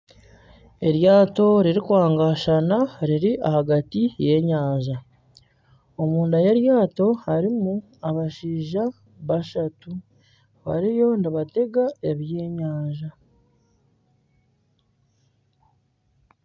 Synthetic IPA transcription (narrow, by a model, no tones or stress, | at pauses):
e̞ɾjaːto̞ɾiɾikwaːŋɡaʃanaɾiɾiʔa̰haɡatije̞ɲaːɲʒa | o̞muːndajeɾjaːto̞haɾimu | aβaʃiːʒa | βaʃatu | βa̰ɾijo̞ndiβate̞ɡae̞βje̞ːɲaːɲʒa